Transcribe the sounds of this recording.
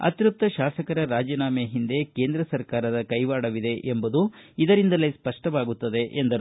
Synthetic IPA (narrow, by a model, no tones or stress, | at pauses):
ɐ̰t̪ɾup̚t̪ːɐʃaːsɐkɐɾɐɾaːd͡ʒɐnaːmejɦind̪e̞ke̞ːnd̪ɾɐsɐɾkaːɾɐd̪ɐkɐjʋaːɽɐʋid̪e̞ʔembud̪uid̪ɐɾind̪ɐlespɐʂʈɐʋaːɡut̪ːɐd̪e̞ʔend̪ɐɾ